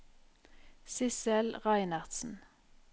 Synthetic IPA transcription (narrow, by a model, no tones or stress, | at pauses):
sɪsɛlʁæɪnɑʁd̪̥sn̩